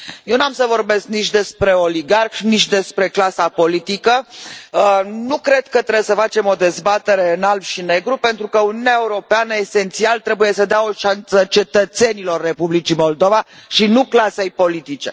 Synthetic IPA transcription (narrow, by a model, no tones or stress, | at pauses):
jewnuamsəvo̞rbe̞sk̚nit͡ʃd̪e̞spɾe̞o̞liɡarxnit͡ʃʲd̪e̞spɾe̞klasapo̞lit̪ikə | nukɾe̞d̪kət̪ɾebesəfat͡ʃe̞mo̞d̪e̞zbat̪e̞ɾe̞ɨnalbʃine̞ɡɾupe̞nt̪ɾukəuniuneaeuɾo̞peanəese̞nt̪sialt̪ɾe̞buje̞səd̪eao̞ʃansət͡ʃe̞t̪ət̪se̞nilo̞rːe̞publit͡ʃimo̞ld̪o̞vaʃinuklase̞jpo̞lit̪it͡ʃe̞̰